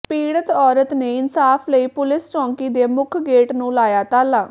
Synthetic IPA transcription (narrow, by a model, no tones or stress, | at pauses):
piːɽət̪ɔːɾət̪neːɪnsaːpʰləiːpʊlɪsʈɔ̃ːŋkiːd̪eːmʊkʰɡeːʈnũːlaːjaːt̪aːlaː